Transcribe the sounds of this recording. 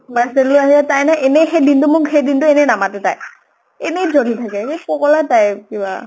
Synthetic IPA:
masɛllʊaɦiatajnaʔɛnɛxejdintʊmʊkhejdintʊenɛnamatɛta̰j | ɛnɛzolitʰakɛkekɔkɔlatajkiba̰

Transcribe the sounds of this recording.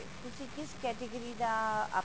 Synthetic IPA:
t̪ʊsikɪskɛːʈɪɡəɾid̪aa̰

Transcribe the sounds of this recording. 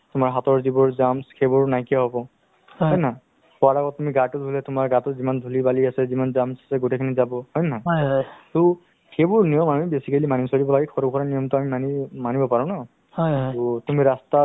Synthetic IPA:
tumaɹɦatɔɹzibɔɹzamskebɔɹnajkijaɦɔbɔ | ɦɔjna | pɔaɹakɔttːumiɡatʊdʱulɛtumaɹɡatʊzimandʱulibaliasɛzimanzamsḁsɛɡotekʰinizabɔhɔjnatu | xebuɹnijɔmanmibesikalimanisoɹibɔlaɡɛkʰɔɹɔbkʰɔɹanijɔmtʊamimanimanibɔpaɹɔ̃na | hɔjutumiɹasta

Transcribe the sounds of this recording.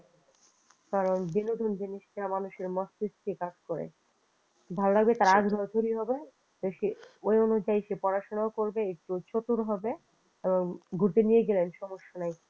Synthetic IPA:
kaɾonbinod̪ʱond͡ʑiniʃʈamanuʃeɾmɔst̪ist̪ikad͡ʑkoɾḛ | bʱaloɾaɡbet̪aɾaɡbʱɔɾt̪ʰoɾiɦɔbe | t̪oʃeojonud͡ʑajʃepɔɾaʃonaokoɾbeek̚ʈut͡ɕot̪uɾɦɔbe | eboŋɡʱuɾt̪enijeɡelenʃɔmoʃːanaj

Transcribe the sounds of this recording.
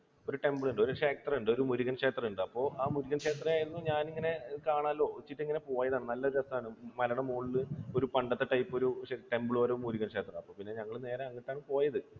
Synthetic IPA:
o̞ɾuʈe̞mbɨɭuɳɖɨoɾuʂeːk̚t̪rɐuɳɖo̞ɾumuɾuɣɐnʂe̞ːt̪rɐuɳɖɨɐpːo̞ːʔaːmuɾuɣɐnʂe̞ːt̪rɐaːjiɾunːuɲaːniŋːɐne̞kaːɳaːlːo̞ːit͡ɕːiʈːiŋːɐne̞po̞ːjɐðaːɳɨnɐlːɐðɐsɐaːɳɨmɐlɐɳɐmoːɭilɨoɾupɐɳɖɐt̪ːeʈɐjpːoɾuʂɐiʈe̞mbɨɭoːɾoumːuɾuɣɐnʂe̞ːt̪rɐɐpːo̞ːpinːe̞ɲɐŋːɐɭne̞ːɾeɐŋːiʈːaːɳɨpo̞ːjɐðɨ

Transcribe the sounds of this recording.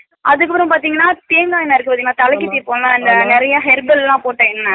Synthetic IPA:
ʔɐðɯkːɐpɯɾɐ̃paːɾt̪iːŋɡɐnːaːp̪eːŋɡaːjɪnːaːɪɾɯkːɯpaːt̪iŋɐnaːt̪ɐlɐkːit̪ːipːoːlãːɪnd̪ɐnɛɾɐjɐɦɛɾbɛllãːpoːʈːɐɪnːɐ

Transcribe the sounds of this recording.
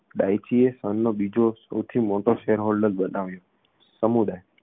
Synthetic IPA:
ɗajt͡ʃiesənːobid͡ʒosə̰wt̪ʰimoʈoʃeəɾɦolɖəlbənaʋjo | səmud̪aj

